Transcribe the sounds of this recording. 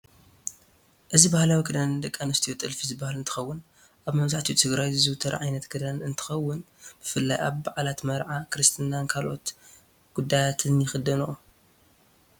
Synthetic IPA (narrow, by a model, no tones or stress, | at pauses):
ʔɨzibahlawiɡɨd̪anɨd̪ɐkʼːanɨst̪ʰijot̪ʼɨlfizɨbahalɨnt̪ʰɨ̥xɐwːʊn | ʔaβmɐβzaħt̪ʰit̪ʰɨɡɾajɨzɨwt̪ʰɐɾa̰ʕajnɐt̪ɡɨd̪anɨnt̪ʰɨ̥xɐwːʊn | b̥ɨfɨlːa̰ja̰βbaʕlat̪mɐɾʕakɨɾɨst̪ʰɨnːankʰalo̞̰t̪ | ɡ̥ud̪ːajat̪ʰɨnjɪxɨd̪ɐnu